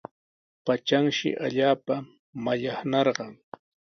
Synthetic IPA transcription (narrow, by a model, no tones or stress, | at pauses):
pat͡ʃaŋʃɪ̰ʔa̰ʎaːpa | maʎɑχnɑɾɢɑŋ